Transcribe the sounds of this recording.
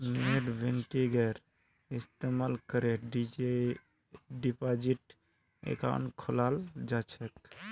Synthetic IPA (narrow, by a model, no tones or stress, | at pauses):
neɖbʱenkeɡɛɾ | ist̪emalkəɾeɖid͡ʒe | ɖipad͡ʒiʈ | ḛka̰nkʰolald͡ʒat͡ʃʰɛk